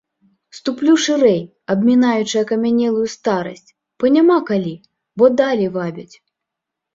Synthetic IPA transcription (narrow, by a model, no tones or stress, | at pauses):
st̪uplʲuʂɨɾɛj | ɐbmʲinajut͡ʂɨjɐkɐmʲanʲɛlˠujust̪aɾɐ̰sʲt͡sʲ | b̥ɐnʲamakalʲi | bɔd̪alʲɛvabʲɐt͡sʲ